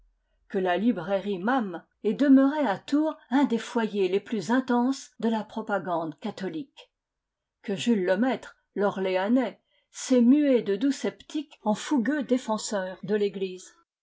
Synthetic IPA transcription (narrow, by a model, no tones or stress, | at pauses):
kəlalibʁeʁimam | ɛd̪əmøʁeat̪uːʁɛ̃d̪efwajeleplyzɛ̃t̪ɑ̃sd̪əlapχɔpaɡɑ̃d̪kat̪ɔlik | kəʒylːəmɛt̪χ | lɔʁleanɛ | sɛmyed̪əd̪usɛpt̪ikɑ̃fuɡød̪efɑ̃sœːʁd̪əleɡliz